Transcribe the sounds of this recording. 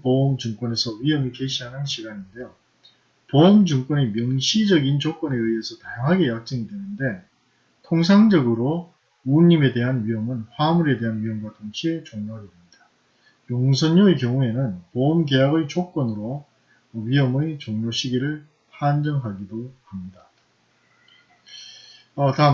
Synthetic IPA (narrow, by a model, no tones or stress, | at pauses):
pomt͡ɕuŋk͈wʌne̞sʰʌɥiɦʌmike̞ɕʰiɦanɯnɕʰiɡaɲinde̞jo | poomd͡ʑuŋk͈wʌnemjʌŋɕʰid͡ʑʌɡint͡ɕok͈wʌne̞ɯie̞sʰʌtajʌŋɦaɡe̞jak̚t͡ɕ͈ɯŋidwe̞nɯnde̞ | tʰoŋsʰaŋd͡ʑʌɡɯɾo | uɲːime̞de̞ɦanɥiɦʌmɯnɸwamuɾe̞de̞ɦanɥiɦʌmɡwatoŋɕʰie̞t͡ɕoŋɲoɾeɯmɲida | joŋs̬ʰʌɲːoekjʌŋue̞nɯnpoɯmɡe̞jaɡɯɭt͡ɕok͈wʌnɯɾo | ɥiɦʌmɯjt͡ɕoŋɲoɕʰiɡiɾɯɭ | pʰand͡ʑʌŋɦaɡidokamɲida | ʌta